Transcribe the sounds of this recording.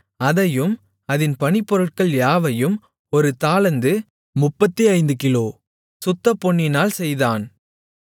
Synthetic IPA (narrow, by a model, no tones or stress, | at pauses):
ɐðɐjɯm | ɐðɪnpɐnɪpːɔɾɯʈ̚kɐɭjaːʋɐjɯm | ɔɾɯt̪aːlɐnd̪ɯ | mʊpːɐt̪ːiɐɪnd̪ɯkɪloː | sʊt̪ːɐpːɔɳːɪnaːlsɛjðaːn